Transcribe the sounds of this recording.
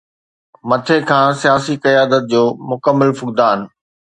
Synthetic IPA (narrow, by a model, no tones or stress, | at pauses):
mɐt̪ʰekʰãːsijaːsikɐjaːd̪ət̪̚d͡ʑoːmʊkəmːəlfʊk̚d̪aːn